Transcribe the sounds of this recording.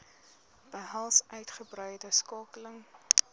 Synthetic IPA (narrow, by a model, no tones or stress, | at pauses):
b̥əɦɐlˠsœɥtχəbrœjdəskɑːkələŋ